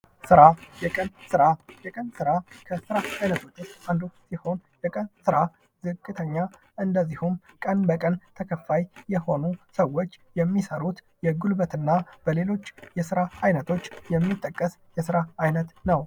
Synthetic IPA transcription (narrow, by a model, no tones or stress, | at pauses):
sɨɾajɛkʼənsɨɾajɛkʼənsɨɾakʰəsɨɾaajnət̪ʰo̞t͡ʃːoand̪usiho̞njɛkʼənsɨɾa | z̥ɨkʼːɨt̪ʰəɲːa | ʔɨnd̪əzːihumkʼənbəkʼənt̪ʰəkʰəfːajːɛho̞nusəwo̞t͡ʃːjɛmːisəɾut̪ | jɛɡulbət̪ɨnːab̥əle̞lo̞t͡ʃːjɛsɨɾaajnət̪ʰo̞t͡ʃːjɛmːit̪ʼːəkʼːəs | jɛsɨɾaajnət̪nəw